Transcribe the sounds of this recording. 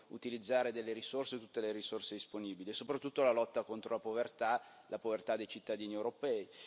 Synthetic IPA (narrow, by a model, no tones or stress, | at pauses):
ut̪ilid̪zːaːɾed̪elːeɾisorset̪ut̪ːeleɾisorsed̪isponiːbiliesopɾat̪ːut̪ːolalɔt̪ːakont̪ɾolapovert̪a | lapovert̪ad̪ːejt͡ʃit̪ːad̪iːniewɾopɛːi